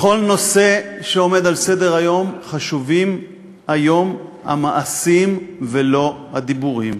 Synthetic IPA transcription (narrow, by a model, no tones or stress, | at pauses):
χo̞lno̞se̞ʃeo̞me̞d̪alse̞de̞ʁajo̞mχaʃuvim | ajo̞ma̰maʔasimvelo̞had̪ibuʁim